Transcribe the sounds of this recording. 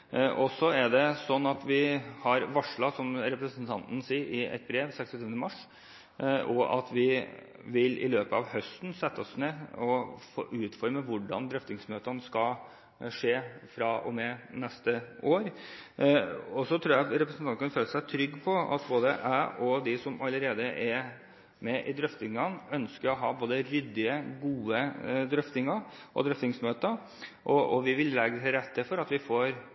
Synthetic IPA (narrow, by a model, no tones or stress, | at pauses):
ʔɔsɔæɖ̪ɛsɔnːɑt̪ʋɪhɑɾʋɑʂɭɑsɔmɾɛpɾəsənt̪ʰɑnt̪n̩siːɾɪʔɛ̰t̪̚bɾeːʋsɛkst̪ɔt̪ʰyːʋənəmɑʂ | ɔʔɑ̰t̪ʰʋɪ | ʋɪlɪ̰løːpəɑʋhœst̪nsɛt̪ːəɔsneɔfo̰ːʔʉːt̪fɔɾməʋʊɖɑ̰nd̪ɾœft̪ɪŋsmøːt̪ənskɑ | ʂeːfɾɑɔ̰mɛnɛst̪əoːɾ | ɔsɔt̪ʰɾuːjæɾɛpɾəsnʰɑnkʰɑnføːləsæɪt̪ʰɾʏɡːpʰɔɑ̰t̪boːd̪əʔæʔɔd̪ɪsɔmɑləɾeːd̪əʔɛ | mɛʔɪd̪ɾœft̪ɪŋɑnœnskəɾɔɦɑːboːd̪əɾʏd̪ːɪəɡuːəd̪ɾœft̪ɪŋɑʔɔ̰d̪ɾœft̪ɪŋsmøːt̪ə | ʔɔɔʋɪʋɪllɛɡɾɛt̪ʰːəfɔɾɑt̪ʋɪfoːɾ